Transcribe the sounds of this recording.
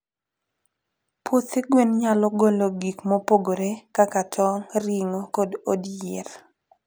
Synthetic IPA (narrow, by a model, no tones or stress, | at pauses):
pot̪eɡwenɲalɔɡoloɡikmopoɡoɾekakatʰɔŋɾiŋokɔdodjeɾ